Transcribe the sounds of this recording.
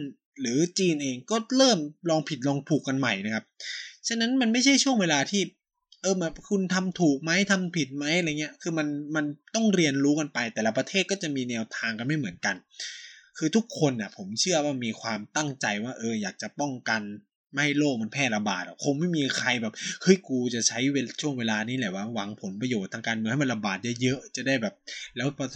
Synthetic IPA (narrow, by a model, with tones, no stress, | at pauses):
n | lɯː˩˦t͡ɕiː˧nʔeː˧ŋkɔː˥˩ɾɤː˥˩mlɔː˧ŋpʰi˨˩lɔː˧ŋt̪ʰuː˨˩kːa˧nma˨˩jna˦˥kʰa˦˥p̚t͡ɕʰa˧nːa˦˥nma˧nma˥˩jt͡ɕʰa˥˩jt͡ɕʰu˥˩əŋweː˧laː˧t̪ʰiː˥˩ | ʔɤː˧bɛː˨˩p̚kʰu˧nt̪ʰa˧mt̪ʰuː˨˩k̚ma˦˥jt̪ʰa˧mpʰi˨˩t̪̚ma˦˥jʔa˧ɾa˧˨ŋːi˦˥ɐkʰɯː˧ma˧nma˧nt̪ɔ˥˩ŋɾi˧ənɾuː˦˥ka˧npa˧jt̪ɛː˨˩la˦˧pɾa˧t̪ʰeː˥˩t̪̚kɔː˥˩t͡ɕa˨˩miː˧nɛː˧wt̪ʰaː˧ŋka˧nma˥˩jmɯ˩˦ənka˧n | kʰɯː˧t̪ʰu˦˥kʰːo˧nːa˨˩pʰo˩˦mt͡ɕʰɯ˥˩ɐwaː˥˩miː˧kʰwaː˧mt̪a˥˩ŋt͡ɕa˧jwaː˥˩ʔɤː˧jaː˨˩k̚t͡ɕa˨˩pɔ˥˩ŋka˧n | ma˥˩ha˥˩jloː˥˩k̚ma˧npʰɛː˥˩la˧baː˨˩t̪̚ʔa˨˩kʰo˧ŋma˥˩jmiː˧kʰa˧jbɛː˨˩p̚hɯ˦˥jkuː˧t͡ɕa˨˩t͡ɕʰa˦˥jwe˧t͡ɕʰu˥˩əŋweː˧laː˧niː˦˥˩lɛ˨˩waː˥˩wa˧ŋpʰo˩˦npɾa˧joː˨˩t̪ʰːaː˧kaː˧nmɯ˧ha˥˩ma˧la˧baː˨˩t̪̚jɤ˦˥jɤ˦˥ʔt͡ɕa˨˩da˥˩jbɛː˨˩p̚lɛː˦˥wp